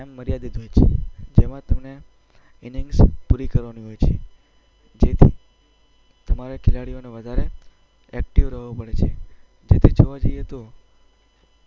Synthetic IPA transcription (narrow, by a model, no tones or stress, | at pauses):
ɛmːəɾjad̪id̪ʱɦojt͡ʃʰḛd͡ʒemãt̪əmne | iniŋɡspuɾikəɾʋaniɦojt͡ʃʰe | d͡ʒet̪ʰi | t̪əmaɾakʰɪlaɽioneʋəd̪ʱaɾe | ɛk̚ʈiʋɾəɦʋupəɽet͡ʃʰe | d͡ʒet̪ʰid͡ʒəʋad͡ʒəjet̪o